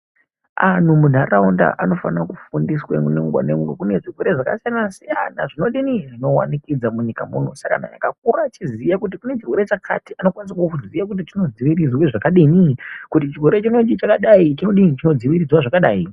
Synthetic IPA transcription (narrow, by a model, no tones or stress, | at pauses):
an̤umunʱaraunda̰ʔano̞fa̰nakufundisweŋuneuɡwa̰nemuɡekune̞ʐirweɾe̞ʐaka̰sijanasija̰na̰ʐino̞ɗiniʐino̞wa̰nikid͡zamuɲikamṵn̤osaka̰na̰ja̰kak̚urat͡ʃizijakut̬ikune̞t͡ʃirwe̞ɾe̞t͡ʃakʰa̰tiano̞kwanis̬akuuzijak̬ut̬it͡ʃino̞d͡ziʋirid͡zweʐakaɗinikut̬it͡ʃirwe̞ɾet͡ʃino̞t͡ʃit͡ʃakaɗait͡ʃino̞ɗinit͡ʃino̞d͡ziʋirid͡zwaʐakaɗaːi